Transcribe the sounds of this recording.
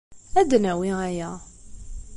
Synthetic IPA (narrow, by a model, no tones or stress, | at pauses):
æd̪næwiæjæ